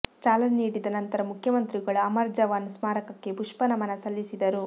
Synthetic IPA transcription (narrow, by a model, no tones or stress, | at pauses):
t͡ʃaːlɐniːɽid̪ɐnɐnt̪ɐɾɐmukʰjɐmɐnt̪ɾiɡɐɭuɐmɐɾd͡ʒɐʋaːnːusmaːɾɐkɐkːe̞buʂpɐnɐmɐnɐsɐlːisid̪ɐɾu